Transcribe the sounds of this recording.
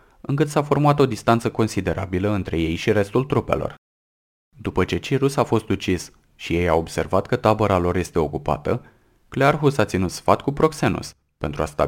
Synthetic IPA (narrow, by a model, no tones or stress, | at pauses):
ɨŋkɨt̪safo̞rmuat̪o̞d̪ist̪ant̪səko̞nsid̪e̞ɾʔa̰biləɨnt̪ɾe̞je̞jʃiɾe̞st̪ult̪ɾupe̞̰lo̞̰r | d̪upət͡ʃe̞t͡ʃiɾusafo̞st̪ut͡ʃis | ʃije̞jao̞bse̞̰rvat̪kət̪abəɾalo̞ɾje̞st̪e̞o̞kupa̰t̪ə | klearɦusat̪sinut̪sfat̪kupɾo̞kse̞nṵs | pe̞nt̪ɾuast̪a